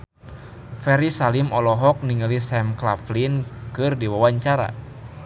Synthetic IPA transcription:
fɛɾisalimɔlɔɦɔk̚niŋalisɛmklaflinkɨrdiwawaɲt͡ʃaɾa̰

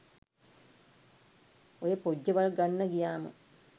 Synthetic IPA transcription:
ojəpod͡ʑːɐʋɐɭɡanːɐɡijaːmɨ̰

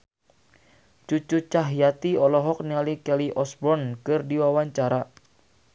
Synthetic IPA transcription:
t͡ʃut͡ʃut͡ʃaɦijat̪iɔlɔɦɔk̚nialikɛliʔɔsbɔnkɨrdiwawaɲt͡ʃaɾa

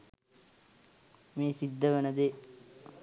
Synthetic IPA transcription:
meːsid̪ːəʋənəd̪e

